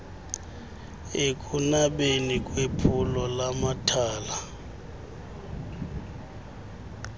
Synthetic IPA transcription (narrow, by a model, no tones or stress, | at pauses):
ekʼunaɓenikʼwepʰulɔlamatʰaːla